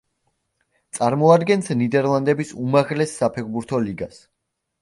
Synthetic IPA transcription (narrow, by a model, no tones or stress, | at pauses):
t̪sʼaɾmɔad̪ɡɛnsnid̪ɛɾlˠand̪ɛbisumaʁlɛsːapʰɛɾbuɾt̪ʰɔliɡas